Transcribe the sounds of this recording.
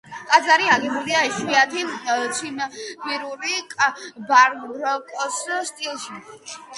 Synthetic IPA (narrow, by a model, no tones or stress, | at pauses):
kʼad̪zaɾiaɡɛbuliaɛʃwiat̪ʰit̪sʰimbiɾuɾikʼbaɾɾɔkʼɔsst̪ʼilˠʃi